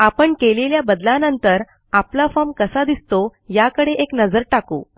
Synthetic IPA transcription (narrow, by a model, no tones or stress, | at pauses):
apəɳkeleljabəd̪lanənt̪əɾ | aplafamkəsad̪ist̪ojakəɽeʔeknəd͡zəɾʈakṵː